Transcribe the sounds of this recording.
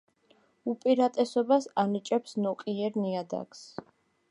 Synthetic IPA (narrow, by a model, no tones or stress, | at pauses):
upʼiɾat̪ʼɛsɔbasanit͡ʃʼɛpsnɔqʼiɛɾniad̪a̰ks